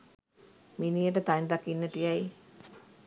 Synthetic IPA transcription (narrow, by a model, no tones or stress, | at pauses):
minijəʈət̪and̪akinːətijaj